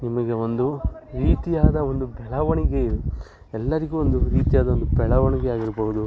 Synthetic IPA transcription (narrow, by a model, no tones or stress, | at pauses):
nimɐɡe̞o̞nd̪uɾiːt̪ijaːd̪ɐond̪ubɛɭɐʋɐɳiɡe | ɛlːɐɾiɡuːond̪uɾiːt̪ijaːd̪ɐond̪ubɛɭɐʋɐɳiɡeaːɡiɾbɐɦud̪u